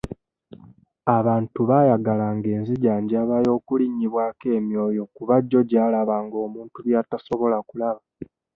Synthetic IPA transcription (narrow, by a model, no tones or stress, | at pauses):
aβaːntuβaːjaɡalaŋɡe̞ːnziɟaːɲɟaːβajo̞ːkuliɲːiβwaːke̞ːmjo̞ːjo̞kuβaɟːo̞ɟaːlaβaːŋɡo̞ːmuːntuβjataso̞βo̞lakulaβa